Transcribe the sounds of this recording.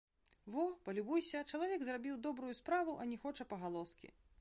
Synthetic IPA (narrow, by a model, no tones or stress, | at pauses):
vɔpɐlʲubujsʲɐt͡ʂɐlˠavʲɛɡzrabʲiwd̪ɔbɾʊjuspɾavuʔɐnʲɛxɔt͡ʂɐpɐɣalˠɔskʲḭ